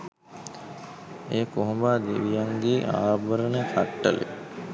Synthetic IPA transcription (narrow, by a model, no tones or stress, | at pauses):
eːkoɦubaːd̪eʋijaŋɡeːʔa̰ːbəɾənəkʰaʈːə̰lʔḛ